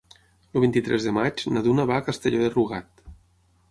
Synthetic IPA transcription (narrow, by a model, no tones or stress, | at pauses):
luβint̪it̪ɾʔɛzðəmat͡ʃnaðunəβaːkəst̪eʎoðeruɣat̪